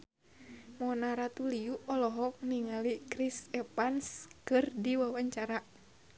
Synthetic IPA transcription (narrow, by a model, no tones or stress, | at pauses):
mɔnaɾat̪uliuʔɔlɔɦɔk̚niŋalikɾisɛpanskɨrdiwawaɲt͡ʃaɾa